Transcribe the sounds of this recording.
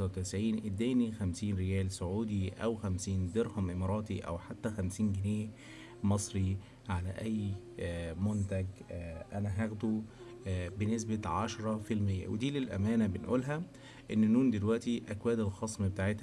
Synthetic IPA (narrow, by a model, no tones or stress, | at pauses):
wet̪æsʕiːnʔed̪ːæːnixæmsiːnɾejæːlsoʕuːd̪iʔæwxæmsiːnd̪eɾhɑmʔemɑɾˤɑːt̪iʔæ̰wħat̪ːæxæmsiːnɡɪneː | mɑsˤɾi | ʕalæ̰ʔæjː | mont̪æɡʔænæɦæɣd̪u | benes̬bæʕaʃɾˤɑfilmejːæ̰wed̪iːlelʔæ̰mæːnæbenʔuːlɦæ | ʔenːnːuːnd̪elwæʔt̪iʔækwæːd̪elxɑsˤmbet̪aːʕet̪h